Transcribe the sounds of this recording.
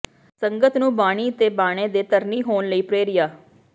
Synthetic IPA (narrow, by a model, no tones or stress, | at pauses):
səŋɡət̪nũːbaːɽ̃iːt̪eːbaːɽ̃eːd̪eːt̪əɾniːɦoːnləiːpɾeːɾɪjaː